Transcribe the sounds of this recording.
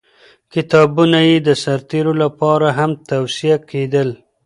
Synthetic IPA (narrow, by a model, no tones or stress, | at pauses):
kɪt̪ɑbunajed̪əsaɾt̪eɾolapɑɾaɦamt̪awsijakʰed̪əl